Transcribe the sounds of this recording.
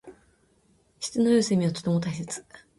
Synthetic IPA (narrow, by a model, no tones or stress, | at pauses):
ɕi̥t͡sɨnojɯsemʲiat̪o̥t̪emot̪ais̬et͡sɨ̥